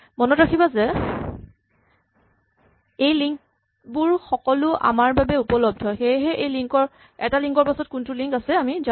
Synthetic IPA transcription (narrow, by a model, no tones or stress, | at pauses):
mɔnɔtɹakʰibazɛ | ejliŋk̚ | buɹxɔkɔlʊʔa̰maɹbabɛupɔlɔb̚dʱɔxejɦɛʔejliŋkɔɹ | ɛtaliŋkɔɹpasɔt̚kuntʊliŋkasɛamiza